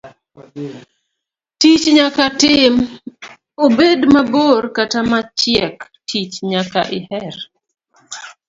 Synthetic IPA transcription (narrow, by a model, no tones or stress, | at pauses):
tit͡ʃɲakatɪm | obedmaborkatamat͡ʃɪɛk | tʰit͡ʃɲakaʔɪhɛr